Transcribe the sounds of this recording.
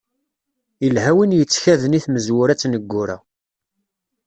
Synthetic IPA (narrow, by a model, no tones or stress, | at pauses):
ilɦæwinjət͡sːçæðəniθməzwʊɾæt͡sːnəɡːʊɾæ̰